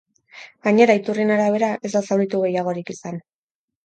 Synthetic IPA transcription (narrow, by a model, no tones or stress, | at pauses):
ɡaɲe̞ɾait̪urinaɾaβe̞ɾaʔe̞zd̪asawɾit̪uɣe̞jaɣ̞o̞ɾikisan